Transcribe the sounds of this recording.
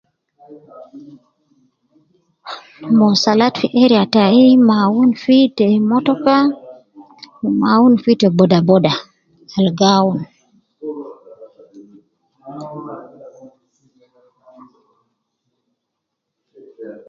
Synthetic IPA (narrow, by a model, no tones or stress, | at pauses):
mɔsalatfiʔɛɾiataimawunfitɛmɔtɔka | mawunfitɛbɔdabɔda | alɡawun